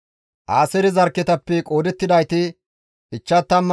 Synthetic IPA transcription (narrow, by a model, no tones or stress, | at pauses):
ʔaːsɛɾɪzɐɾkːɛt̪ɐpːɛkʼo̞ːd̪ɛt̪ːɪd̪ɐjt̪ɪ | ʔɪt͡ʃːɐt̪ːɐmː